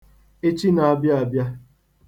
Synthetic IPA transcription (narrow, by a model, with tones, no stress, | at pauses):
e˦t͡ʃi˦na˨a˨bja˦a˨bja˦